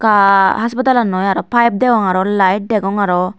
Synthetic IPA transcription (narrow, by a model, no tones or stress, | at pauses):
kaɦaspat̪alanɔjaɾɔpʰajp̚d̪ɛɡɔŋaɾɔlajʈ̚d̪ɛɡɔŋaɾɔ